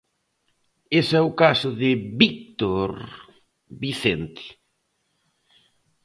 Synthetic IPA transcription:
esɛʊkasʊðɪβik̚t̪oɾ | βiθent̪ɪ̥

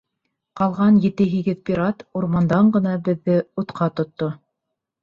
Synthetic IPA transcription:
qɑlˠʁɑnjɘ̆t̪ɘɦiɡɘðpʲiɾat̪uɾmɑnd̪ɑɴɢɤ̆nɑbɘ̆ðːɘut̪qʰɑt̪ŏt̪ːo

